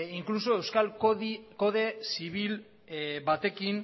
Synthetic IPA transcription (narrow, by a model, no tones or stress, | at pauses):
iŋklus̬o̞e̞wskalko̞ðesiβil | bat̪e̞kin